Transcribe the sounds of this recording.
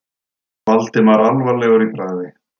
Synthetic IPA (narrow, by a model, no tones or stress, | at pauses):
valt̪ɪmaɾalvaɾlɛɣœɾipɾaːjðɪ